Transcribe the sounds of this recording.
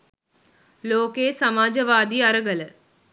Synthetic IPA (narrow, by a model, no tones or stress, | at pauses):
loːkeːsɐmaːd͡ʒɐʋaːd̪iɐɾəɡələ